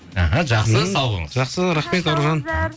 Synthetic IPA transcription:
aɦaʒɑqsəsɑlˠʁə̰ŋəzʒɑqsəɾæχme̞t̪oɾʒɑn

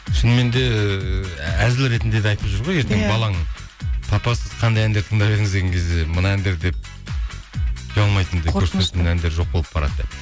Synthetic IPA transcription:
ʃʏnəme̞nd̪e̞ | æzɪlɾe̞t̪ɪnd̪e̞d̪eɑjt̪əpʒəɾʁoje̞ɾt̪eŋbɑlˠɑŋ | t̪ʰɑpɑsəz̥qʰɑnd̪ɑjænd̪eɾt̪ʰəɴd̪ɑβe̞ɾɪŋɪzd̪e̞ɡʲeŋkʲʰe̞zd̪emənɑænd̪e̞ɾd̪e̞p̚ | kʲʰiɑlˠmɑjt̪ənd̪ekʰɵɾset̪menænd̪e̞ɾʒo̞q̚bolˠəp̚bɑɾɑ̰d̪d̪e̞̰p̚

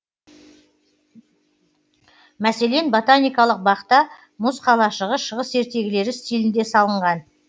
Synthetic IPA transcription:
mæse̞le̞nbo̞t̪anijkɑlˠəq̚bɑqt̪ɑ | mʊsqʰɑlˠɑʃəʁəʃəʁəse̞ɾt̪e̞ɡʲɪle̞ɾɪst̪ʲilɪnd̪e̞sɑlˠəɴʁɑn

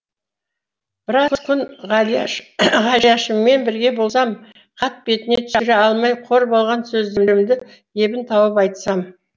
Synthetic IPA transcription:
b̥ɪɾɑkkʲʰʏnʁ | ʁɑljɑʃəmːe̞nbɪɾɡʲe̞bo̞lˠsɑm | qʰɑt̪̚be̞t̪ɪne̞t̪ʰʏ̥ʏɾeɑlˠmɑjqʰo̞ɾbo̞lˠʁɑnsɵzd̪ɪmlɪmd̪ɪ | je̞bɪnt̪ʰɑwəpɑjt̪sɑm

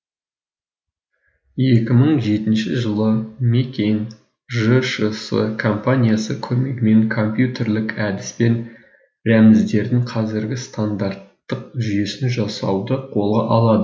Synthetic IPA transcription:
je̞kʲɪməɴʒe̞t̪ɪnʃɪʒəlˠəmekʲejŋ | ʒəʃəsə̰kʰo̞mpanʲijasəkʲʰɵme̞ɡʲɪme̞ŋkʰo̞mpjut̪e̞ɾlɪkæd̪ɪspe̞n | ɾæmɪzd̪e̞ɾd̪ɪŋqʰɑzɪɾɡʲɪst̪ʰand̪aɾt̪ːəq̚ʒʏje̞sɪnʒɑsɑ̰wd̪əqʰo̞lˠʁɑʔɑlˠɑd̪ə

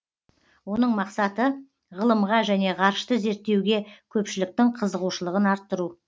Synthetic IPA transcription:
wo̞n̪əɴmɑqsɑt̪ə | ʁəlˠəmʁɑʒæne̞ʁɑɾʃt̪əze̞ɾt̪ːe̞wɡʲe̞kʲʰɵpʃɪlɪk̚t̪ɪɴqʰəzəʁuʃəlˠəʁənɑɾt̪ːəɾu

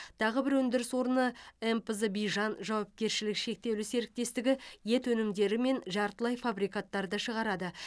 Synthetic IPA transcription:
t̪ʰɑʁəbɪɾwɵnd̪ɪɾɪswo̞ɾənəempəzəbijʒɑnʒɑwɑp̚kʲe̞ɾʃɪlɪkʃe̞k̚t̪e̞wlɪse̞ɾɪk̚t̪e̞st̪ɪɡʲɪje̞t̪wɵnɪmd̪e̞ɾɪme̞nʒɑɾt̪əlˠɑjfabɾijkat̪ːɑɾd̪əʃəʁɑɾɑd̪ə

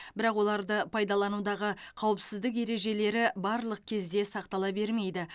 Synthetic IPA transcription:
bɪɾɑqwo̞lˠɑɾd̪əpʰɑjd̪ɑlˠɑnud̪ɑʁəqʰɑwəpsɪzd̪ɪk̬e̞ɾe̞ʒe̞le̞ɾɪbɑɾlˠəq̚kʲʰe̞zd̪e̞sɑqt̪ɑlˠɑbe̞ɾme̞jd̪ɪ

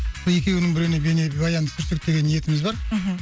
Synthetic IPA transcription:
soje̞kʲe̞wnɪŋbɪɾeɪnebe̞nebɑjɑnd̪əsʰʏɾsed̪e̞ɡʲe̞nje̞t̪ɪmɪzbɑɾ

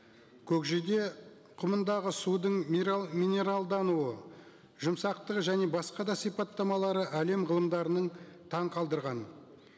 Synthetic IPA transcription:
kʲʰɵkʒed̪e̞ | qʰʊmənd̪ɑʁəsud̪əɴmine̞ɾalˠd̪ɑnuə | ʒʊmsɑqt̪əqʒæne̞bɑsqɑd̪ɑsijpɑt̪ːɑmɑlˠɑɾəʔæle̞mʁəlˠəmd̪ɑɾənəɴt̪ʰɑɴqʰɑlˠd̪əɾʁɑn

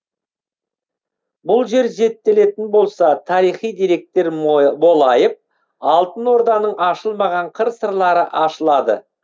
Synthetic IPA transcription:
bʊlˠʒe̞ɾze̞t̪ːe̞le̞t̪ɪnbo̞lˠsɑt̪ʰɑɾijχijd̪iɾe̞k̚t̪e̞ɾbo̞lˠɑjəp̚ | ɑlˠt̪ənwo̞ɾd̪ɑnəɴɑʃəlˠmɑʁɑɴqʰəɾsəɾlˠɑɾəʔɑʃəlˠɑd̪ə̰

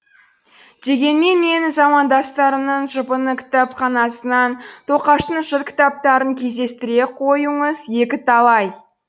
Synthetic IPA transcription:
d̪̥e̞ɡʲe̞nme̞nme̞nɪzɑmɑnd̪ɑst̪ɑɾəmnəɴʒəpənəkʲʰɪ̥t̪ɑpχɑnɑsənɑnt̪ʰo̞qɑʃt̪əɴʒəɾkʲʰɪ̥t̪ɑp̚t̪ɑɾəŋkʲʰe̞zd̪e̞st̪ɪɾe̞qʰo̞jəɴəzje̞kʲɪt̪ʰɑlˠɑj

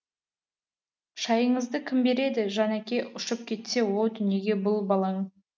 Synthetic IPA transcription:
ʃɑjəɴəzd̪əkʲʰɪmbe̞ɾe̞d̪ɪʒɑnækʲe̞ʔʊʃəp̚kʲʰe̞t̪se̞wo̞lˠd̪ʏne̞ɡʲe̞bʊlˠbɑlˠɑɴ

